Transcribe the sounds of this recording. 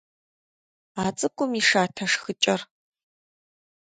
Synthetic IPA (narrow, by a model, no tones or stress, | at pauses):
aːt͡sʼɨkʷʼʊmiʂaːtʰɐʂxɨt͡ʃʼɐr